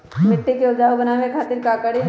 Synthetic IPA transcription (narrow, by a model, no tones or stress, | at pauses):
mɪʈːikeod͡ʒaːɦobɐnaːʋẽkʰaːt̪ɪɾkaːkəɽi